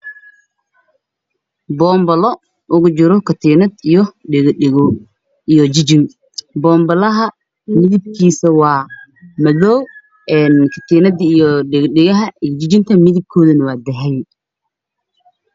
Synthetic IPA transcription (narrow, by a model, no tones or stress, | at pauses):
bɔːmbɐlɔ | ʔʊɣʊt͡ʃɪɾɔkʰɐt̪ʰiːnɐd̪ijɔɪɣɪɣɔ | ijɔd͡ʒɪd͡ʒɪŋ | bɔːmbɐlɐɦɐ | mɪðɪb̚kʰiːsɐwɑː | mɐðɔw | ɛːnkʰɐt̪ʰiːnɐd̪ijɔɪɣɖɪɣɐɦɐd͡ʒɪt͡ʃɪnt̪ʰɐmɪðɪb̚kʰɔːðɐnɐwɑːd̪ɐɦɛj